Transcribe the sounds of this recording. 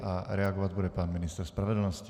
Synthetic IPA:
aɾɛaɡɔʋaɟbudɛpaːnminist̪ɛɾspɾaʋɛd̪l̩nɔsc

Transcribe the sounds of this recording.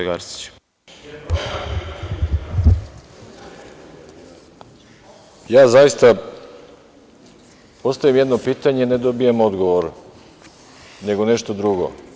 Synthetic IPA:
eɡaɾsi̥t͡ɕ | jaːzajist̪a | po̞st̪aʋimjed̪no̞piːt̪aɲeine̞d̪o̞bijemo̞d̪ɡoʋoɾ | ne̞ɡone̞ʃt̪od̪ɾuɡo̰

